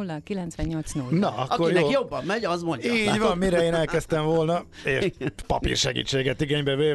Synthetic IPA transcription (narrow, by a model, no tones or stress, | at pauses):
ulːɒkilɛnt̪sʋɛɲːo̞lt̪snulːnɒɒkɒːorjɛjobːɒmmɛɟɒzmoɲiːɟɟʋɒmːiɾɛeːnɛlkɛst̪ɛɱvolnɒeːʃpɒ̰pḭrʃɛɡḭːt͡ʃːeːɡɛt̪iɡeɲbɛveː